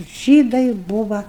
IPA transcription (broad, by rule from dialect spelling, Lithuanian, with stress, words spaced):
ˈʒʲiːdɐɪ ˈbʊʋɐ